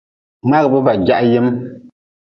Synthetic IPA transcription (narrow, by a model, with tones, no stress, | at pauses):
ma˦ɣɨ˨bɨ˦ba˨d͡ʒa˦ʔjɛ˦m